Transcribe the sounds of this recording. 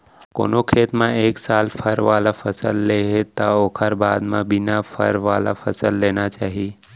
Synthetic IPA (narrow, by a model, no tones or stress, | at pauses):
ko̰ːnokʰeːt̪mãeːksaːlpʰəɾʋaːlapʰəsə̰lːeɦet̪aoːkʰəɾbaːd̪mãbɪnapʰə̰ɾʋala̰pʰəsəlːenat͡ʃaːɦi